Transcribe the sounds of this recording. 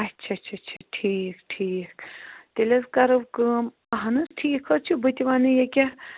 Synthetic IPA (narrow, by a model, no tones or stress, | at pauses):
ɐtːt͡ʃʰɐt͡ʃʰɐt͡ʃʰɐʈʰiːkʈʰiːkt̪elɐzkɐɾɨʋkəːm | ɐɦɐnɨsʈʰiːkʰɐt͡ʃʰubɨt̪ʲiʋanɨjekʲɐ